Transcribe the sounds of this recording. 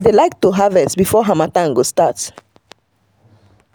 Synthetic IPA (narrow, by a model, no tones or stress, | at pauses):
delajk̚tuɦavɛsbifɔɦamatãŋɡostat